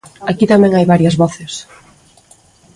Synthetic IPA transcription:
akit̪amɛ̃ŋajβaɾjɐzβɔθɪs

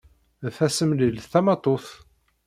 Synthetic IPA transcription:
fæsəmlilθæmɑt̪ˤoθ

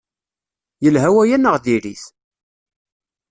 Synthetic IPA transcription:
jəlɦæwæjænːəʁðiɾiθ

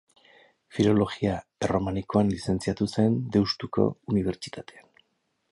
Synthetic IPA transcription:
filo̞lo̞ɣiaero̞maniko̞anlise̞nt͡siat̪use̞nd̪e̞wst̪uko̞̰uniβ̞e̞ɾt͡ʃi̥t̪at̪ʰe̞an

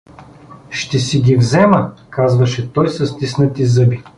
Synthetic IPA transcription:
ʃt̪ɛsiɡʲivzɛməkazvɐʃɛt̪ɔjsɐst̪isnət̪izɤbi

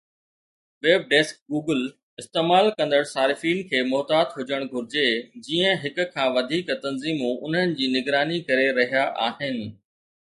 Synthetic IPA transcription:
ʋeːb̚ɖeːsk̚ɡuːɡəl | ɪst̪eːmaːlkɐ̃nd̪əɽsaːɾɪfiːnkʰeːmɔːt̪aːt̪ɦʊd͡ʑəɽ̃ɡʱʊɾɪd͡ʑed͡ʑiːə̃ɦɪkʊ̆kʰãːʋɐd̪ʱiːkt̪ɐnziːmõʔʊn̤ɦənɪ̆d͡ʑiːnɪɡɾaːnikɐɾeɾɐɦijaʔaːɦɪnɪ̆

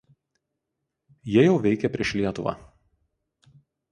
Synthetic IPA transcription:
jiɛjɛʊʋʲɛɪkʲɛpʲɾʲiɛʃlʲiɛt̪ʊʋɑ̰ː

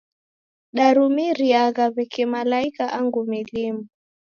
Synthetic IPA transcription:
ɗaɾumiɾiaɣaβɛkimalaikaʔaŋɡumilimu

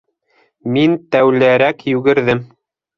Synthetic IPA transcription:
mint̪æwlæɾækjʉɡɘ̆ɾðɘm

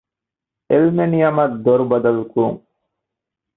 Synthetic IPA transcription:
elmenijamɐd̪oɾbɐd̪ɐlkuɾṵŋ

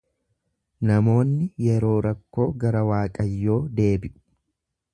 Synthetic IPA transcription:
nɐmo̞ːnːɪjɛɾo̞ːɾɐkːo̞ːɡɐɾɐwaːkʼɐjːo̞ːd̪e̞ːbɪʔʊ̥

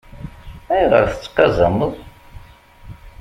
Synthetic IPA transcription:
æjʁə̰ɾθə̥t͡sːqːɑzɑməðˤ

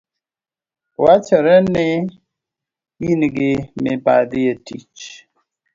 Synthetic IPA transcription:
wat͡ʃəɾəne | inɡemepa̰d̪ijetḭt͡ʃ

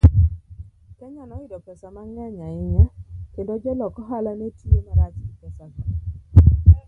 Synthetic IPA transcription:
kɛɲanɔɪdɔpɛsamaŋɛɲaɪɲakendod͡ʒelɔkɔɦalanetiemaɾat͡ʃiɡipɛsaɡa

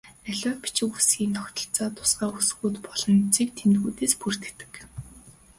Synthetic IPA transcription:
æɮʊːpi̥t͡ɕɪ̆kusɡʲiːŋt̪ʰɔxʲt̪ɞ̆ɬt͡saːt̪ʰʊ̥sɢaːus̆ɣuːt̪pɔɮɞ̆nt͡sʰik̚t̪ʰemt̪ɣuːt̪eːspur̥t̪ɘ̆kt̪ɘ̥̆k

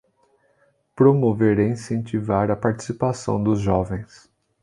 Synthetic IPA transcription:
pɾomoveɾeĩsẽnt͡ʃivaɾɐpaɾt͡ʃi̥sipasɐ̰̃w̃d̪ʊzʒɔvẽj̃s

